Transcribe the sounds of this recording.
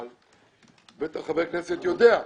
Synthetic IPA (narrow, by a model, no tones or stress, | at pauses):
l | vet̪aχabekneset̪jo̞d̪ea